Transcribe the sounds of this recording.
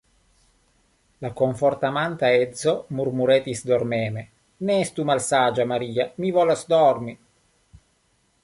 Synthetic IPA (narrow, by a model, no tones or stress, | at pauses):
lakoɱfort̪amant̪aɛd̪zomurmuɾɛːt̪isd̪ormɛːme | nɛɛst̪umalsaːd͡ʒamaɾiːamivɔlasd̪ɔrmi